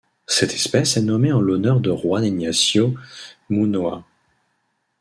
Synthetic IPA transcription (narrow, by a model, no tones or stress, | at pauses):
sɛt̪ʰɛ̥spɛsɛnɔmeɑ̃lɔnœʁd̪əʁwaneɲasjomunwa